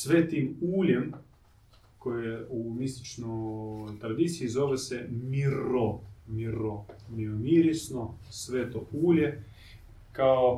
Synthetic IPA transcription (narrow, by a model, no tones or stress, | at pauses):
sʋet̪imuːlʲem | kojeumist̪i̥t͡ʃnɔjt̪ɾad̪it̪siːzoʋesɛmiɾomiɾomiomiɾisnosʋet̪ouːlʲje | kao